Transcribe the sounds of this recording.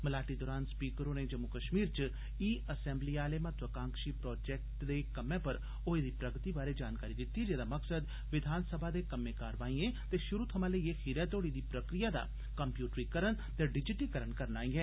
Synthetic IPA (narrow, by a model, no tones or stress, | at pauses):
məlaːʈid̪ɔːɾaːnspiːkəɾõːned͡ʒəmːukəʃmiːɾt͡ʃ | iːəsɛ̃ːmbliːaːlemɐt̪ʋəkãːŋkʃiːpɾɔːd͡ʒɛːk̚ʈd̪ekəmẽːpəɾ | oed̪iːpɾəɡət̪ibaːɾed͡ʒaːnkaːɾid̪ɪt̪ːid͡ʒeːd̪aːmɐksəd̪ | ʋɪd̪ʱaːnsəbʱaːd̪eːkəmẽkaːɾʋaːĩẽt̪eʃʊɾut̪ʰɐmãləiexiɾɛːt̪oːɽid̪iːpɾəkɾijad̪a̰ː | kəmpjuːʈɾikəɾəɳ | t̪eɖɪd͡ʒɪʈikəɾəɳkəɾnaːĩɛː